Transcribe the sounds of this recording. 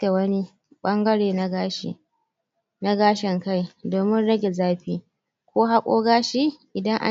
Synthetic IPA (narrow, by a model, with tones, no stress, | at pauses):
ke˨wɐ˦ni˦ | ɓɐ˦ŋɡɐ˦ɽeː˨na˦ɡaː˦ʃḭ˨ | na˦ɡaː˦ʃɛ˨ŋka˦jdoː˨mɪ˦nɽɐ˦ɡʲe˨zaː˦ɸiː˦ | kʷoː˦ɦa˦kʷʼo̰ː˦ɡaː˦ʃi˦ʔɪ˨dɐ˦ŋʔa̰˦